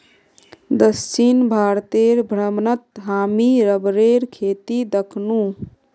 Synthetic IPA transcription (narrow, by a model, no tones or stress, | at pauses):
d̪əst͡ʃinbʱaːɾt̪eɾbʱɾəmnət̪ɦaːmiɾəbɾeɾkʰeːt̪id̪əkʰnu